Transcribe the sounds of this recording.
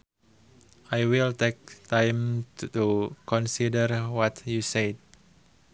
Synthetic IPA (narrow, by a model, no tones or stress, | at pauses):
ʔajwilt̪ek̚t̪ãjmttukɔnsidərwɔt̪jused̚